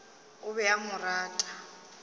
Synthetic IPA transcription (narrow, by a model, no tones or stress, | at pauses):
ʊβɛjamʊraːtʼa